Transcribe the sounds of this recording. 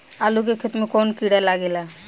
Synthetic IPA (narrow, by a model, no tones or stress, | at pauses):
alukekʰit̪mekɔnkiɽalaɡela